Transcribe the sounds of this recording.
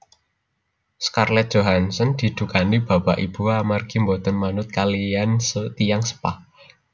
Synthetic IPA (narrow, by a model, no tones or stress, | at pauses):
skarlɛt̪̚dʒ̥oɦansənd̪̥i̤d̪̥ṳkanib̥a̤baʔib̥ṳamarɡ̥imbɔd̪̥ɔ̤nmanʊt̪̚kaliansət̪ijaŋsə̥pa̰h